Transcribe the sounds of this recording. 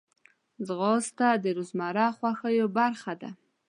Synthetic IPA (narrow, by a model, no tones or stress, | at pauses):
zɣost̪ad̪əɾozmɑɾɑxwaxəjobaɾxad̪a̰